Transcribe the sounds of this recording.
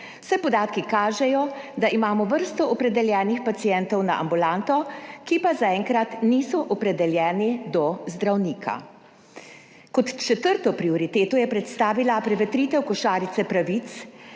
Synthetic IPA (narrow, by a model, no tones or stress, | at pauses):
wsɛpɔd̪aːt̪kikaːʒɛjɔd̪aʔimaːmɔʋəɾst̪ɔʔɔpɾɛd̪ɛljɛːnixpat̪sijɛnt̪ɔwna̰ʔa̰mbulant̪ɔkipazaɛːŋkɾat̪niːsɔʔɔpɾɛd̪ɛljɛːnid̪ɔzd̪ɾawniːkʰa̰ | kɔt̪t͡ʃɛt̪əɾt̪ɔpɾiɔɾit̪eːt̪ɔjɛpɾɛt̪st̪aːʋilapɾɛʋɛt̪ɾiːt̪ɛwkɔʃaːɾit̪sɛpɾaʋit̪s